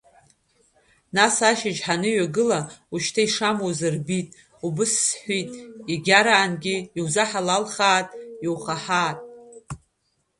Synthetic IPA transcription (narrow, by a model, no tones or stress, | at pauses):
nasaʃɪd͡ʒħanɨɥaɡɨlauʃtʰaiʂamozɨrbitʼ | ubɨsːħʷitʼiɡʲaɾaːnɡʲɪːwzaħalalχaːtʼiwχaħaːtʼ